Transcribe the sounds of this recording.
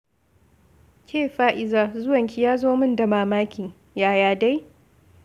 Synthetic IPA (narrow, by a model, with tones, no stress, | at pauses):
kʲʰeː˦˨ɸaː˦ʔɪ˨zaː˦zʊ˦wɐ˨ŋkʲi˦jaː˦zoː˦mɪ˦nda˨maː˨maː˦kʲiː˨ | jaː˦˨jaː˦da˦j